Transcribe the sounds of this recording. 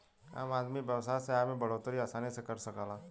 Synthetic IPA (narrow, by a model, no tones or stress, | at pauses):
a̰ːmaːd̪mibɐwsaseaːmẽbɐɽoːt̪ɾiaːsaːnisekɐɾsɐkaːlaː